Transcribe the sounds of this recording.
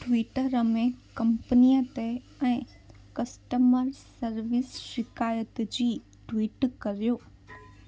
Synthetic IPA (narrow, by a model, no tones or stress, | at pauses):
ʈʋiːʈəɾəmẽkɐ̃mpənijət̪e | ɛ̃ː | kɐsʈəməɾsɐɾʋɪsʃɪkaːjət̪d͡ʑiː | ʈʋiːʈkɐɾijoː